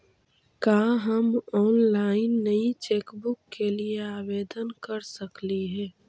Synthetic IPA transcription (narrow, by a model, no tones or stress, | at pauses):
kaːɦəmɔːnlaːɪnːəit͡ʃeːkbʊkːelieaːʋeːd̪ənkəɾsəkliɦɛ̃ː